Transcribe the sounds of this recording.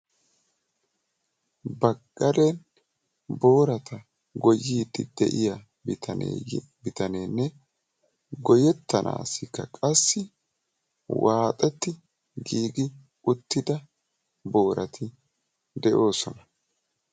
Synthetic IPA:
bɐkʼːɐɾen | bo̞ːɾɐt̪ɐ | ɡɔjiːd̪ɪ̰d̪̥ɛ̰ʔɪjɐ | bt̪ɐn̰ | bɪt̪ɐneːnːɛ | ɡɔjɛt̪ːɐnʔa̰ːsɪkːɐkʼɐsːɪ | waːt̪ʼɛt̪ːɪ | ɡiːɡɪ | ʊt̪ːɪd̪ɐ | bo̞ːɾʔɐt̪ʰɪ | d̪ɛʔo̞ːsɔnɐ

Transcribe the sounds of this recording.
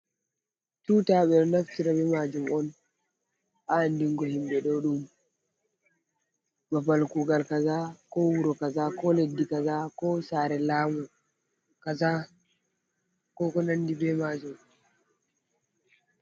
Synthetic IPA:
tuːtaːɓɛɗɔnaftiɾabɛmad͡ʒumɔn | ʔandiŋɡɔhimɓɛɗɔɗum | mabalkuːɡalkazakɔwuɾɔkazakɔledːikazakɔsaːɾɛlaːmɔ | kaza | kɔkɔnandibɛmad͡ʒum

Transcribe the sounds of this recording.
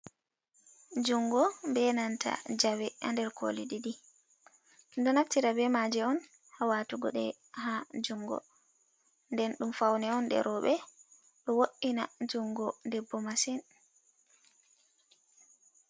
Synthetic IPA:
d͡ʒuŋɡɔmbɛnantʰa̰d͡ʒawɛa̰ndɛɾkʰo̰liɗiɗi | ndɔnaftiɾabɛmad͡ʒɛɔn | hawatuɡɔ̰ɗɛ | had͡ʒuŋɡɔ̰ | ndɛnɗumfawnɛɔnɗɛ̰ɾɔɓɛ | ɗɔwoʔːinad͡ʒuŋɡɔdɛbːɔmasɛn

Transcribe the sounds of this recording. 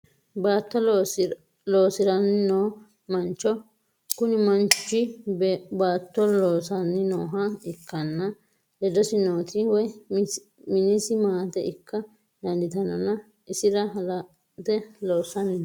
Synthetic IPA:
baːt̪ːɔ | loːsɪɾɐnːɪnoː | mɐnt͡ʃːɔ | kʊnɪmɐnt͡ʃːɪ | baːt̪ːɔloːsɐnːɪnoːɦɐɪkːɐnːɐ | dɛd̪ɔsɪnoːt̪ʰɪwɔj | mɪnisɪmaːt̪ɛɪkʰːɐ | d̪ɐnd̪ɪt̪ɐnɐnɐ | ʔɪsɪɾɐ | t̪ɛloːsɐnɪn

